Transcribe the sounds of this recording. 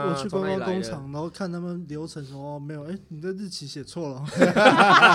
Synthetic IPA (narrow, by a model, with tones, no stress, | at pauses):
wɔ˨˩t͡ɕʰy˥˧pa˥˧nkwɑ˥˩ŋkʊ˥ŋʈ͡ʂʰɑ˨˩˦ŋd̪ə˧˦o˥˧ʊkʰa˥˩na˥˩mə˥˩nljo˧˥ʊʈ͡ʂʰɤ˧˥ŋʂə˧˥˧me˧˥ɪjo˨˩ʔe˥˩ɪni˨˩t͡sa˥˧t͡s̩˥˩t͡ɕʰi˧˥ɕjɛ˨˩t͡sʰwɔ˥˩lə˩˥